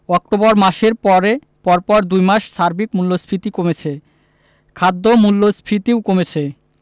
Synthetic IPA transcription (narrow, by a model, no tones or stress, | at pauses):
ɔk̚ʈobɔɾmaʃeɾpɔɾe | pɔɾpɔɾd̪ujmaʃʃaɾbikmulːospʰɾit̪ikomet͡ɕʰe | kʰad̪ːomulːospʰɾit̪iwkomet͡ɕʰe